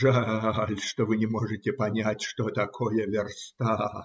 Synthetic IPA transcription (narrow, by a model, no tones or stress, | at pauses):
ʐalʲʂt̪ovɨnʲɪmoʐɨtʲɪpɐnʲætʲʂt̪ot̪ɐkʰojəvʲɪrst̪a